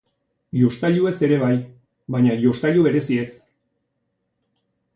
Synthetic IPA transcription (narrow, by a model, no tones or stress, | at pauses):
jo̞st̪aʎue̞se̞ɾe̞βaj | βaɲajo̞st̪aʎuβe̞ɾe̞sie̞s